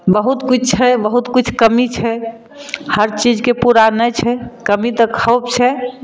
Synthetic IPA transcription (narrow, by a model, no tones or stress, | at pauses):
bəɦut̪kit͡ʃʰt͡ʃʰɛbəɦut̪kut͡ʃʰkəmit͡ʃʰɛ | həɾt͡ʃid͡ʒkepuɾanət͡ʃʰɛkəmit̪əkʰəp̚t͡ʃʰɛ